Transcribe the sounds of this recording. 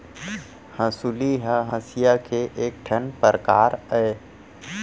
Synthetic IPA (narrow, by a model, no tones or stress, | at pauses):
hə̃suliɦə̃ɦə̃sijakeʔeːk̚ʈʰənpəɾəkaːɾəe